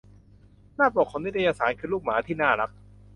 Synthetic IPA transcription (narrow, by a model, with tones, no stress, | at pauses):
naː˥˩pɔː˨˩kʰːɔ˨˩˦ni˦˥a˧jaː˧saː˩˦nkʰɯː˧luː˥˩k̚maː˩˦t̪ʰiː˥˩naː˥˩ɾa˦˥k̚